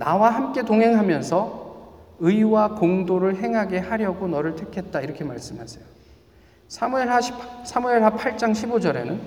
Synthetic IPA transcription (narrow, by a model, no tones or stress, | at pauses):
nawaɦamk͈e̞toŋɦe̞ŋɦamjʌnsʰʌ | ɯiwakoŋdoɾɯɭɦe̞ŋɦaɡe̞haɾjʌɡonʌɾɯɭtʰekʰe̞t̚t͈aiɾʌkʰe̞ma̰ɭs͈ɯmɦasʰejo | sʰamue̞aɕpʰsʰamue̞ɭɦapʰaɭt͡ɕ͈aŋɕʰibod͡ʑʌɾe̞̰nɯn